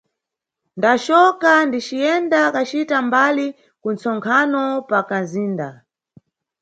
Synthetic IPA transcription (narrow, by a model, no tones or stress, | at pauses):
ndat͡ʃɔkandit͡ʃijɛndakat͡ʃitambali | kunt͡sɔŋkʰanɔpakaziːnda